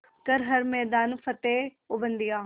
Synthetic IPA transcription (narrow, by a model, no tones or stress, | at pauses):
kɐɾɦɐɾmɛːd̪aːnfɐt̪eː | ʊbə̃nd̪ijaː